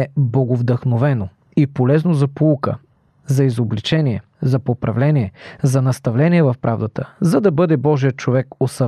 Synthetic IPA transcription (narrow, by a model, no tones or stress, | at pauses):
ɛboɡovd̪əxnovɛno | ipolɛznozɐpoukə̰ | zɐizoblit͡ʃɛniɛ | zɐpopɾɐvlɛniɛzɐnɐst̪ɐvlɛniɛvɐfpɾʔavd̪ət̪əzɐd̪ɐbɤd̪ɛbɔʒijət̪̚t͡ʃovɛkosɐ